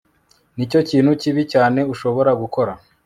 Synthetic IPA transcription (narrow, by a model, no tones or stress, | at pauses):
nico̞ciːnhuciβicaːne̞uʃo̞βo̞ɾaɡuko̞ɾa